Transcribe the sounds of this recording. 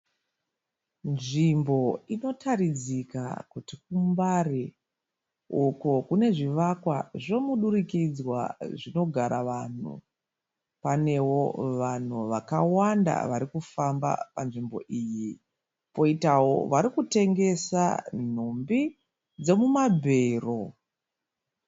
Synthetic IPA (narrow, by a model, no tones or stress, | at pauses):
nʐimbo̞ino̞tʰaɾid͡zika̰kutik̚umbari | ukokune̞ʐiʋakwaʐo̞muɗuɾikid͡zwa̰ʐino̞ɡʱaɾaʋan̤ṵ | pane̞wo̞ʋan̤uʋakawanda̰ʋaɾikufamba̰panʐimbo̞̰ʔiːji | po̞itawo̞̰ʋaɾikute̞ŋɡe̞sa̰n̤umbi | d͡ze̞mumabʱe̞ːro̞